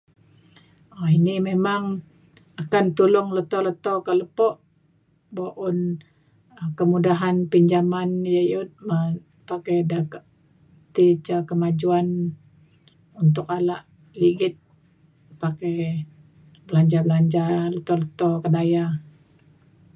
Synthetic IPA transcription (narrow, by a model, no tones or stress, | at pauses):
ainimemaŋ | akant̪ulʊŋlət̪ɔlət̪ɔkəʔləpɔʔ | boʔʊn | kəmudaɦanpiɲd͡ʒamanjajʊt̪̚mə | pakedakaʔ | t̪it͡ʃakəmad͡ʒuan | unt̪̬ʊkalaʔ | liɡɪt̪̚ | pake | bəlaɲd͡ʒabəlaɲd͡ʒalət̪ɔlət̪ɔkədaja